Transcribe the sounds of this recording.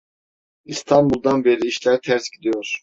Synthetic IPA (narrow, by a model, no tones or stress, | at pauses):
ist̪ʰanbulˠd̪anbeɾiːʃlʲæɾt̪ʰæɾsɟid̪ijoɾ̥